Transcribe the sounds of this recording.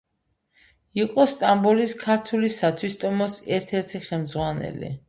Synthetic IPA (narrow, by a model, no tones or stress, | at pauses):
iqʼɔst̪ʼambuliskʰaɾt̪ʰulisat̪ʰwist̪ʼɔmɔsɛɾt̪ʰɛɾt̪ʰiχɛlmd̪zʁwanɛ̰lḭ